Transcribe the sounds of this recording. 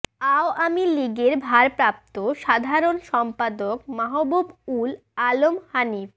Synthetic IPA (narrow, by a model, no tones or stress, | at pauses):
aoʔamiliɡeɾbʱaɾpɾap̚t̪oʃad̪ʱaɾonʃɔmpad̪okmaɦobobul | alomhanif